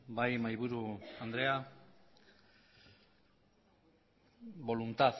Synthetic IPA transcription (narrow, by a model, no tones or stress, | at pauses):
bajmajβuɾuand̪ɾea | βo̞lunt̪að